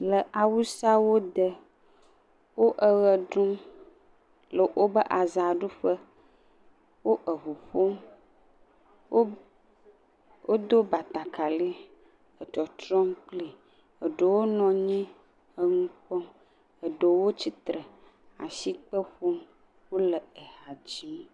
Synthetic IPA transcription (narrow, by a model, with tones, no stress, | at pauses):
lə˨ʔa˨wu˦sa˦wo˦d̪ə˨ | wo˦ʔə˨ɣə˨ɖũ˦m | lə˨wʔo˦bə˦ʔa˨za˨ɖu˦ɸə˦ | wo˦ʔə˨ɦu˨ɸo˦m | wo˦ | wo˦d̪o˦ba˨t̪a˨ka˨li˦ | ə˨t͡ʃɔ˨t̪ɾɔ˦mk͡pli˨ | ə˨ɖo˨wo˦nɔ̃˨ɲɛ̃˦ | ə˨ŋũ˦k͡pɔ˦ | ə˨ɖə˨wo˦t͡ɕi˦t̪ɾə˨ | a˨si˦k͡pə˦ɸo˦m | wo˦lə˨e˨ha˨d͡ʑi˦